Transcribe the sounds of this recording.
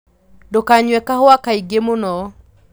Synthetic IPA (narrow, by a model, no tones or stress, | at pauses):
dokaɲwɛkahʊakaiɡemonɔ